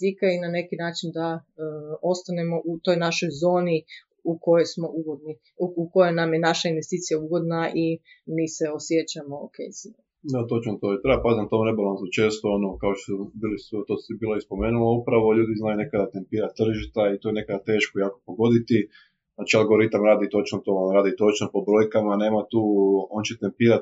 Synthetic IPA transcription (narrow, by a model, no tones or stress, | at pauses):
zikeinane̞kinaːt͡ʃind̪a | o̞st̪ane̞mo̞ʔut̪o̞jnaʃo̞jzo̞ːni | uko̞jojsmo̞ʔuɡod̪ni | uko̞jonamjenaʃainʋest̪iːt̪sijauɡo̞d̪naʔi | miːseo̞sjet͡ʃamookḛjsi | et̪ot͡ʃnot̪oit̪ɾebapazint̪omnebalˠanzot͡ʃe̞ːst̪oonokaoʃt̪osbiːlisot̪oːsibiːloispo̞meːnulaupɾaʋo̞ʎuːd̪iznaːjune̞kad̪at̪e̞mpiːɾat̪ːr̩ʒit̪ait̪oenekad̪at̪e̞ːʃkojaːko̥po̞ɡo̞d̪it̪i | znaːt͡ʃialˠɡo̞ɾit̪amɾaːd̪it̪o̞t͡ʃnot̪oɾaːd̪it̪o̞t͡ʃnopo̞bɾo̞ːjkamane̞ːmat̪uːo̞nt͡ɕet̪empiːɾat̪